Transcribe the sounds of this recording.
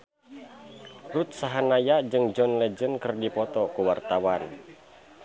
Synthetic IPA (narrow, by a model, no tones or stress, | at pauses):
rut̪̚saɦanajad͡ʒɨŋd͡ʒɔnlɛd͡ʒənkərdipɔt̪ɔkuwart̪awan